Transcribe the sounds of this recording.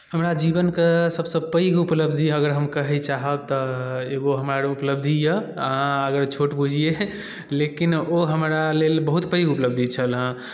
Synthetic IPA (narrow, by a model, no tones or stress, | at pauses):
həmɾad͡ʒibənkesəbsə̃pəjɡupləbd̪ʱiəɡəɾɦəmkəɦɛt͡ʃaɦəb̚t̪ɔeɡoɦəmɾaɾupləb̚d̪ʱijəaəɡəɾt͡ʃʰoʈbud͡ʒʱije | lekinoɦəmɾalelbəɦut̪pəjɡupləb̚d̪ʱit͡ʃʰəlɦə̃